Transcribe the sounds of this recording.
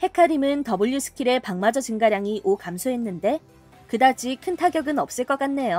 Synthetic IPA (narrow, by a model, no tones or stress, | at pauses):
he̞kʰaɾimɯntʌbuʎːusʰɯ̥kʰiɾe̞paŋmad͡ʑʌd͡ʑɯŋɡaɾjaŋiʔokamsʰoɦe̞nːɯnde̞ | kɯdad͡ʑ͈ʰikʰɯntʰaɡjʌɡɯnʌp̚s͈ɯɭk͈ʌk͈anːe̞jo